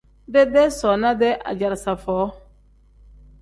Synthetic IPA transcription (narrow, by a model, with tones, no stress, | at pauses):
dɛ˦dɛ˦sɔ˨na˦dɛ˦ʔa̰˨d͡ʒa˨ɾsa˨fɔː˨˦